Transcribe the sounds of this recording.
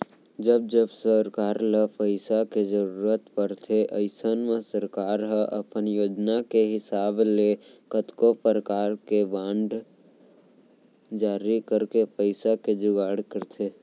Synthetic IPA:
d͡ʒəb̚d͡ʒəbsəɾkaːɾləpəɪsaked͡ʒəɾuɾət̪pəɾt̪ʰeʔəɪsənmẽsəɾkaːɾɦəʔəpənjoːd͡ʒnakeɦɪsaːblekət̪kopəɾəkaːɾkebãːɳɖ | d͡ʒaːɾikəɾkepəɪsaked͡ʒʊɡaːɽkəɾt̪ʰe

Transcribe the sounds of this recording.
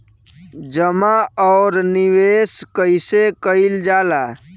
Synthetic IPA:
d͡ʒəmaɔːɾniweskəɪsekəɪld͡ʒaːla

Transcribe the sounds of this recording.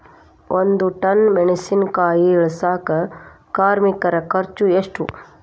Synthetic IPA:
ʔond̪uʈɐnmeɖisinkaːiːɭɐsaːkɐ | kaːɾmikɐɾɐkʰɐɾt͡ʃueʂʈṵ

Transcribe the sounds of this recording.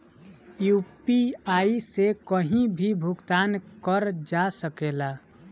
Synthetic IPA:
jupiaisekəɦĩbʱibʱʊɡt̪aːnkəɾd͡ʒasəkela

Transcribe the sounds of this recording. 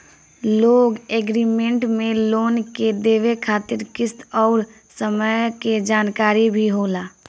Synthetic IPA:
loːɡeːɡɾimẽɳʈmẽloːnked̪eːʋekʰaːt̪ɪɾkɪst̪ɔːɾ | səməjked͡ʒaːnkaːɾibʱiɦoːlaː

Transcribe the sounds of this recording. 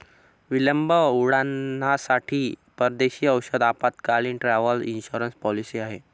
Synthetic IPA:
ʋiləmbəuɽanasaʈʰiːpəɾd̪eɕiːəwɕəd̪apat̪kaliːnʈɾaʋəlḭnɕuɾənspɔlisiːaɦe

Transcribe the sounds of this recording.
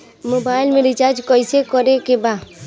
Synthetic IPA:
mobaːɪlmẽɾɪt͡ʃaːɾd͡ʒkɔɪsekɔɾekebaː

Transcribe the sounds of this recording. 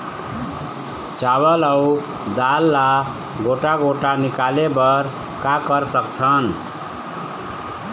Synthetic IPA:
t͡ʃabələu | d̪alːa | ɡoʈaɡoʈanikalebəɾ | kakəɾsəkt̪ʰən

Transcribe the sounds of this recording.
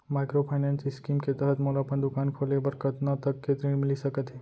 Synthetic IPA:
majkɾopʰajnansiskimket̪əɦət̪molaːpəɳd̪ukankʰolebəɾkət̪nət̪əkːet̪ɾinmilisəkət̪i

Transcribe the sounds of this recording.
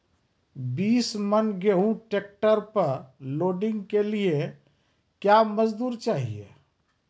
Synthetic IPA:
biːsmənɡeɦũʈeːk̚ʈəɾpəɾloːɖɪ̃ŋɡkelie | kjaməd͡ʒd̪uːɾt͡ʃaːɦiḛ

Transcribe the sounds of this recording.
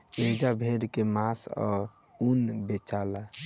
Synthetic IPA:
ed͡ʒabʱeɾkemasɔ̰ɾ | unbet͡ʃala

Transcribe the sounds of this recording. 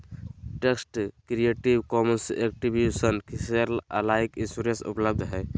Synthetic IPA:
ʈeksʈkɾijeʈiwkɔmənsek̚ʈibjusənkiseɾlə̰laikĩnsuɾesṵpləb̚d̪ʱɦɛː

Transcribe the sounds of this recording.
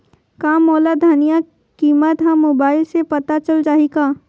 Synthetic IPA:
kaːmoːlad̪ʱaːnija | kiːmət̪ɦãmoːbaːɪlsepɐt̪at͡ʃəld͡ʒaːɦikaː

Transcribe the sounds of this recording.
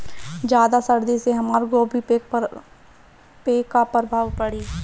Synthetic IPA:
d͡ʒjaːd̪asəɾd̪iseɦɐmaːɾɡoːbʱi | peːkapəɾbʱaːʋpəɽiː

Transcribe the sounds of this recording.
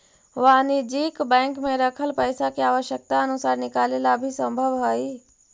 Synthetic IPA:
ʋaːnid͡ʒiːkbɛ̃ːŋkmẽɾəkʰəlpəɪsakiaːʋəʃjək̚t̪aɐnʊsaːɾnɪkaːlelabʱisə̃mbʱəʋɦoiː

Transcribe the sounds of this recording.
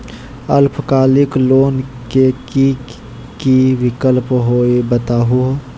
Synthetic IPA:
ɐlpʰkaːlɪkloːnkekiːk | kiʋɪkəlpɦoːebɐt̪aːɦu

